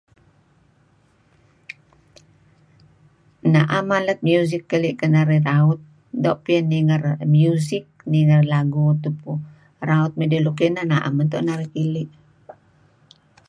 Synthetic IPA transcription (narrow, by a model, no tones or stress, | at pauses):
naʔamalət̪̚mjuzikːəliʔkənaɾiraut̪̚ | doʔpiənːiŋərmjuzik̚niŋərlaɡut̪upu | ɾaut̪̚mədəluk̬iʔnanaʔa̰mənt̪ɔ̰ʔnaɾikiliʔ